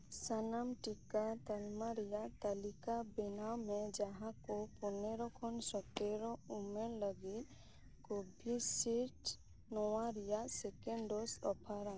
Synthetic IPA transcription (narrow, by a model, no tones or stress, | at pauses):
sənamʈikat̪əlmaɾijat̪əlikabinawmẽd͡ʒaɦãkopuneɾɔkʰɔnsɔt̪eɾɔumeɾləɡi | kobʱisiʈ | nɔwaɾijasekeɳɖɖosɔpʰaɾã